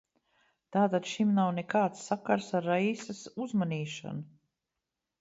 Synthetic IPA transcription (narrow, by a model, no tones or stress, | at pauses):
t̪aːt̪ad̪ʃimnawnɛkaːt̪sːakaɾsaɾːaisasuzmaniːʃa̰nu